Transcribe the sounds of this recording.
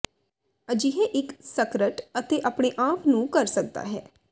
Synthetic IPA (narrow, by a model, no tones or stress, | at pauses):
əd͡ʒiɦeːʔɪksəkɾəʈət̪eːʔaːpɳeːʔaːpnũːkəɾsək̚d̪a̰ːɦɛ̰ː